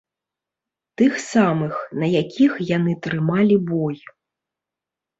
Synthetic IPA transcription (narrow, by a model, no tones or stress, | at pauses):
t̪ɨxsamɨxnɐjakʲixjan̪ɨt̪ɾɨmalʲibɔj